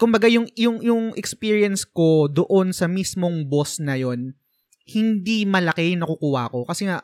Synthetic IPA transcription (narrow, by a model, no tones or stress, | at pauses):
kʊmbɐɡajʊŋjʊŋjʊŋʔɛkspiːɹiɐnsko̞d̪oʔo̞nsɐmismo̞ŋbo̞snɐjo̞n | hɪnd̪imɐlɐkɛjʊŋnɐkukuːhɐko̞kɐsɛŋa